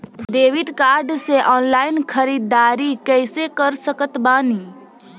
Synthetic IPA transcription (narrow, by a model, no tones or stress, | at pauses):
ɖ̪eːʋiʈkaːɾɖseʔɔːnlaːɪnkʰəɾiːd̪aːɾikɛɪsekəɾsəkət̪baːni